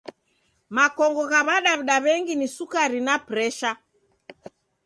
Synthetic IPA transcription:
makɔŋɡɔɣaβaɗaβɗaβɛŋɡinisukaɾinapɾɛʃa

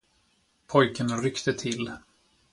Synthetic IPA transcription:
pʰɔjkənɾʏkt̪ət̪ʰɪlː

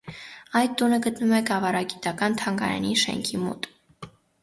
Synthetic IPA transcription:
ɑjt̪ːunəɡət̪numɛkɑvɑɾɑɡit̪ɑkɑnt̪ʰɑŋɡɑ̰ɾɑ̰niʃɛ̰ŋkʰimɔ̰t̪

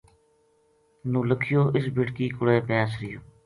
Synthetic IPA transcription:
nũːləkʰɪjoːʔɪsbɪʈkiːkʊɽeːpaːsɾɪjoː

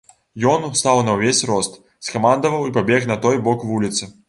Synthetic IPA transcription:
jɔnst̪awnɐwvʲesʲrɔst̪ | skɐmand̪ɐvɐwipabʲɛɣnɐt̪ɔjbɔkvulʲit̪sɨ

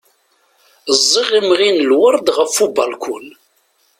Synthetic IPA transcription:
zˤːiʁimʁinəlwəɾˤd̪ʁəfːubɑlkʷʊl

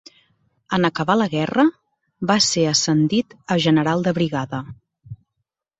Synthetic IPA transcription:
ənəkəβaləɣɛrə | βaseəsənd̪it̪əʒənəɾalˠd̪əβɾiɣaðə

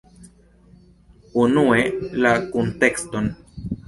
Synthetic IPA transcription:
unue̞lakunte̞ksto̞n

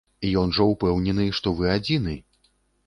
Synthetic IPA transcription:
ijɔnʐɐwpɛwnʲɛnɨʂt̪ɔvɨad͡zʲinɨ

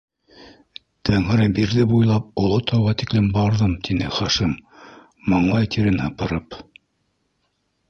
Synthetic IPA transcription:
t̪ʰæŋɘ̆ɾɘbiɾðɘbujlˠɑp̚ŏlˠot̪ɑwʁɑt̪iklɘmbɑɾðɤmt̪inɘχɑʃimː | ɤ̆ɴlˠɑjt̪iɾɘnhɤ̆pɤ̆ɾɤp

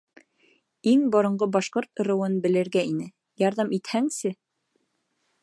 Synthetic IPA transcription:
iŋbŏɾɤ̆ɴɢɤbɑʃqoɾt̪ŏɾɤ̆wɤnbɘ̆lɘ̆ɾɡæinɘ | jɑɾðɑmʔit̪hæŋsɘ

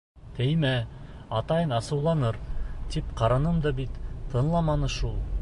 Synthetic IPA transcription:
t̪ʰɘjmæ | ɑt̪ɑjɤnɑsɤ̆wlˠɑnɤɾt̪ipqɑɾɑnɤmd̪ɤbit̪t̪ɤ̆nlˠɑmɑnɤʃulˠ

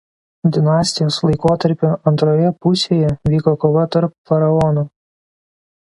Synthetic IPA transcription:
d̪ʲɪnɑːsʲt̪ʲɪjoːslˠɐɪkoːt̪ɐɾʲpʲʊʔɐnt̪ɾoːjɛpʊsʲeːjɛʋʲiːkoːkoːʋɐt̪ɐɾpfɐɾɐɔnuː

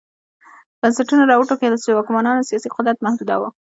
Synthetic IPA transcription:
bənsaʈunaɾɑwuʈoked̪əswewɑkmɑnɑnsijɑsiqʊd̪ɾat̪mahd̪ud̪a̰wa

